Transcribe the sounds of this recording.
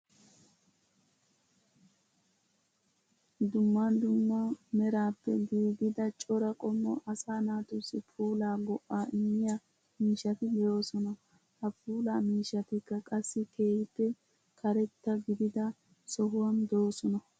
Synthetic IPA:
d̪ʊmːand̪ʊmːɐmɛɾaːpːɛɡiːɡɪd̪ɐt͡ʃʼɔɾɐkʼɔmːɔʔɐsaːnaːt̪ʊsːɪpʰuːlaːɡɔʔːaːɪmːɪja | miːʃːɐt̪ɪbɛjo̞ːsɔnɐ | hɐpuːlaːmiːʃːɐt̪ɪkːɐkʼɐsːɪkʰe̞ːhɪpːɛ | kʰɐɾɛt̪ːɐɡɪd̪ɪd̪ɐ | sɔɦʊwɐnd̪o̞ːsɔnɐ

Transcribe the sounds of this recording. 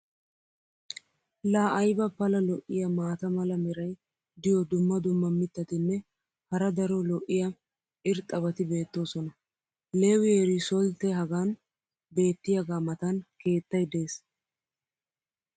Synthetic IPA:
laːʔɐjbɐpɐlɐlɔʔːɪjɐmaːt̪ɐmɐlɐmɛɾɐj | d̪ɪjɔd̪ʊmːɐd̪ʊmːɐmɪt̪ːɐt̪ɪnːɛ | hɐɾɐd̪ɐɾɔlɔʔːɪjɐ | ʔɪɾt̪ʼɐbɐt̪ɪbe̞ːt̪ːo̞ːsɔnɐ | leːwɪɛɾɪsɔlt̪ːɛɦɐɡaːn | be̞ːt̪ːɪjɐɡaːmɐt̪ɐnke̞ːt̪ːɐjd̪e̞ːs

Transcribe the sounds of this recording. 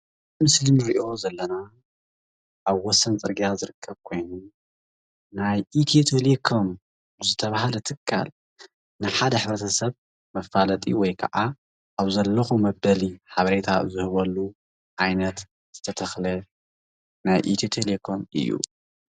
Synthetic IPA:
mɨslinɨɾiʔo̞zɐlːɐna | ʔaβwɔsːɐnt͡sʼɨɾɡijazɨɾɨkʰːɐβkʰo̞jnu | najʔit̪ʰiet̪ʰelekʰom | zɨt̪ʰɐβahalɐt̪ʰɨkʰːa̰l | nɨħad̪ɐħɨβɾɐt̪ʰɐsɐβ | mɐfːalɐt̪ʼḭwɔjkʰɐ̰ʔa | ʔaβzɐlːɐxumɐbːɐliħaβɐɾe̞t̪ʰazɨhɨβɐlːu | ʔajnɐt̪ | z̥ɨt̪ʰɐt̪ʰɐxlɐ | najʔḭt̪ʰjot̪ʰelekʰomɨ̰jːṵ

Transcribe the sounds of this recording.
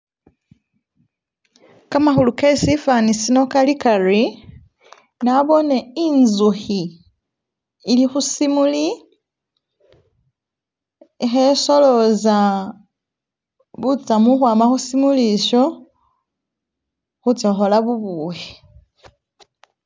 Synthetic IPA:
kamaxulukesifanisino̞kalikari | naβo̞ne̞inzuxi | lixusimuli | xeso̞lo̞za | βut͡samuxwaːmaxusimuliʃo̞ | xut͡soxolaβuβuːwe

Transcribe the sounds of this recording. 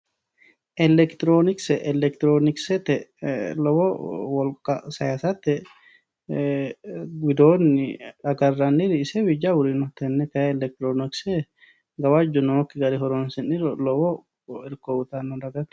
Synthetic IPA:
ʔɛlɛkt̪ɾonɪksɛʔɛlɛk̚t̪ɾonɪksɛt̪ɛlɔwɔwɔlkɐ̰sɐjasɐt̪ɛ | wɪd̪oːnːɪᶑɐɡɐrːɐnːɪɾɪːsɛwɪd͡ʒawʊɾinɔt̪ɛnːɛkɐɛlɛk̚t̪ɾonɪksɛ | ɡɐwad͡ʒːɔnɔɔkːɪɡɐɾɪhɔɾɔnsɪnːɪɾɔlɔwɔ | ɪɾkoʊt̪anːɔdɐɡɐt̪

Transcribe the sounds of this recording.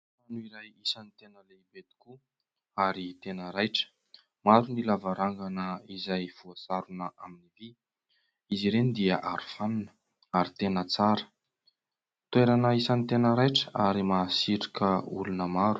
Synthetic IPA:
anuiɾajisanit̪enəleibet̪i̥ku | aɾit̪enəɾajʈ͡ʂə̥ | maɾunilavaɾaŋɡanəizajfuasaɾunəʔaminivi | iziɾenid̪iəʔaɾufanunə̥ | aɾit̪enət͡saɾə̥ | t̪weɾanəisanit̪enəɾajʈ͡ʂəaɾimaːsiʈ͡ʂi̥kəṵlunəmaɾu

